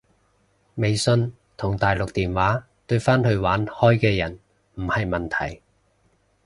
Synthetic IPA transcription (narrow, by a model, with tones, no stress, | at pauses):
me˨˧jsɵ˧n | t̪ʰʊ˨˩ŋt̪aː˨jlʊ˨k̚t̪iː˨nwaː˨˥ | t̪ɵ˧ɥfaː˥nhɵ˧ɥwaː˨˥nhɔː˥jkɛː˧jɐ˨˩n | m̩˨˩hɐ˨jmɐ˨nt̪ʰɐ̰˨˩j